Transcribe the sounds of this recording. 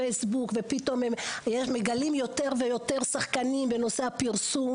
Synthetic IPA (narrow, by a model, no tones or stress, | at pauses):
ejsbukve̞pit̪o̞memjeʃmeɡalimjo̞t̪e̞ʁvejo̞t̪e̞ʁsaχkanimbe̞no̞se̞apiʁsum